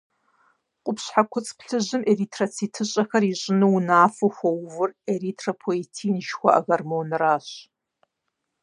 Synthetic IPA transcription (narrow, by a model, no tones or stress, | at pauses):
qʷʼʊpɕħakʷʰʊt͡sʼpɬɨʑɨmeritʰrɐt͡sʰitʰɨɕʼɐxɐriɕʼɪnɨwnaːfɨxʷɐwvʊreritʰrɐpʰoetʰiːnʃxʷɔʔɐ̰ɣɐrmownɨraːɕ